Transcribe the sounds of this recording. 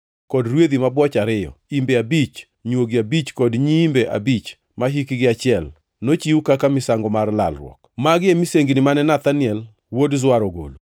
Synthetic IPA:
kɔdɾwed̪imabwɔt͡ʃaɾɪjɔ̰imbeabit͡ʃ | ɲwoɡiabit͡ʃkɔdɲimbeʔa̰bit͡ʃ | maɦikɡɪat͡ʃɪɛl | not͡ʃiukakamɪsaŋɡɔmarla̰lɾwɔ̰kmaɡɪemiseŋɡinɪmanɛnat̪anɪɛl | wodzwaɾɔɡo̰lu

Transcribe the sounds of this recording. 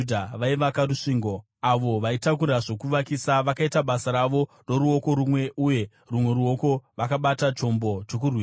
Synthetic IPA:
dʱaʋaiʋakaruʂiːŋɡo̞ | aʋo̞ʋaitak̬uɾaʐo̞kuʋakisaʋakaitaɓasaɾaʋo̞ | ro̞ɾuo̞ko̞ɾumwe̞ʔuje̞ | rumwe̞ɾuo̞ko̞ʋakaɓatat͡ʃo̞mbo̞t͡ʃo̞k̬urwiː

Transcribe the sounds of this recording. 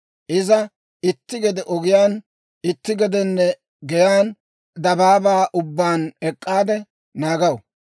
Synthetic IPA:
ʔɪzɐ | ɪt̪ːɪɡɛd̪ɛʔɔɡɪjaːn | ɪt̪ːɪɡɛd̪ɛnːɛ | ɡɛjaːn | d̪ɐbaːbaːʔʊbːaːnɛkʼːaːd̪ɛ | naːɡɐw

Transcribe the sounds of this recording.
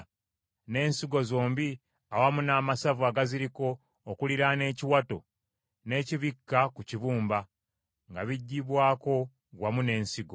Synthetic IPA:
ne̞ːnsiɡo̞zo̞ːmbi | awamunaːmasavuaːɡaziɾiko̞ː | kuliɾane̞ːciwato̞̰ | ne̞ːciβikːakuciβuːmba | ŋɡaβiɟːiβwaːko̞ | ɡwamune̞ːnsiɡo̞̰

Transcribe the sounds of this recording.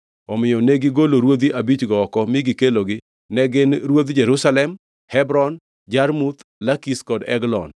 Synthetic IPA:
ɔmɪjɔneɡɪɡoloɾwod̪iʔabit͡ʃɡɔːkɔmɪɡɪkeloɡɪ | nɛɡɪnɾwod̪d͡ʒɛɾusalɛm | hɛbɾɔn | d͡ʒaɾmut̪lakiskɔdɛ̰ɡlɔ̰n

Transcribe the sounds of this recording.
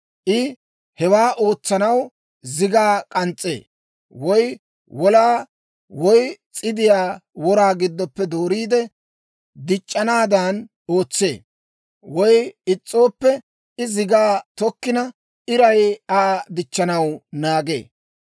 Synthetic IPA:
ʔɪ | hɛwaːʔo̞ːt͡sːɐnɐw | zɪɡaːkʼɐnt͡sʼːe̞̰ː | wɔj | wɔlaː | wɔjt͡sʼɪd̪ɪjaːwɔɾaːɡɪd̪ːɔpːɛd̪oːɾiːd̪ɛ | d̪ɪt͡ʃʼːɐnaːd̪ɐn | oːt͡sːe̞̰ː | wɔjɪt͡sʼːo̞ːpːɛ | ʔɪzɪɡaːt̪ɔkːɪnɐ | ʔɪɾɐjaːd̪ɪt͡ʃːɐnɐwnaːɡe̞̰ː

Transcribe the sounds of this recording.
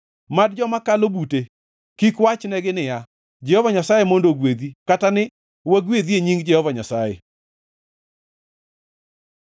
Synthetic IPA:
madd͡ʒɔmakalobute | kikwat͡ʃnɛɡɪnɪja | d͡ʒɛhɔvaɲasajemondoɡwed̪ikatanɪ | waɡwed̪ieɲiŋɡd͡ʒɛhɔvaɲasajḛ

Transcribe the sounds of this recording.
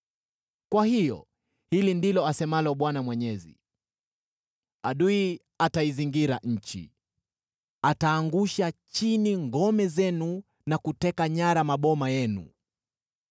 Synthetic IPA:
kwahijɔ̰ | hilindilɔasɛmalɔɓwanamwɛɲɛzḭ | aɗui | ataiziŋɡiɾaɲ̩t͡ʃḭ | ataːŋɡuʃat͡ʃiniŋɡɔmɛzɛnu | nakutɛkaɲaɾamaɓɔmajɛnṵ

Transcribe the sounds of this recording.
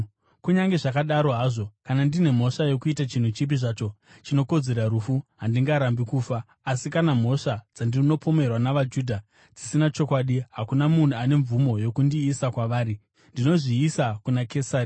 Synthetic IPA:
kuɲaŋɡe̞ʐakaɗaɾo̞ɦaːʐo̞kanandine̞m̤o̞ʂajo̞kuitat͡ʃin̤ut͡ʃip̬iʐaːt͡ʃo̞ | t͡ʃino̞ko̞d͡ze̞ɾaɾufuɦandiŋɡaɾambikuːfaː | sikanam̤o̞ʂad͡zandino̞po̞me̞rwanaʋad͡ʒuːdʱa | d͡zisinat͡ʃo̞kwaːɗiɦakunamun̤uane̞ɱvumo̞jo̞kundiːsakwaʋaːɾi | ndino̞ʐiːsakunake̞saːri

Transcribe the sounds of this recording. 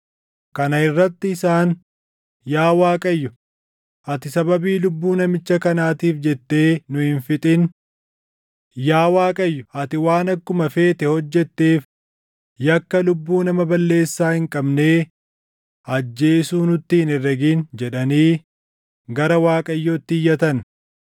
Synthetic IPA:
kɐnɐɪrːɐt̪ːɪːsaːn | jaːwaːkʼɐjːʊ | ɐt̪ɪsɐbɐbiːlʊbːuːnɐmɪt͡ʃːɐkɐnaːt̪iːfd͡ʒɛt̪ːe̞ːnʊhɪnfɪt̪ʼɪn | jaːwaːkʼɐjːʊɐt̪ɪwaːnɐkːʊmɐfe̞ːt̪ɛhɔd͡ʒːɛt̪ːe̞ːf | jɐkːɐlʊbːuːnɐmɐbɐlːe̞ːsːaːhɪŋkʼɐbne̞ː | ɐd͡ʒːe̞ːsuːnʊt̪ːɪɪnɛrːɐɡiːnd͡ʒɛᶑɐniː | ɡɐɾɐwaːkʼɐjːoːt̪ːɪɪjːɐt̪ɐn

